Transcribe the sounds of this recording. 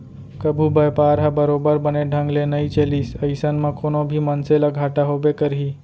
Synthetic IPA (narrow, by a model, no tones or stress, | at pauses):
kəbʱubəjpaɾɦabəɾobəɾbəneɖʱə̃ŋɡlenəit͡ʃelisəɪsənmə̃konobʱimənselaɡʱaʈaɦobekəɾɦi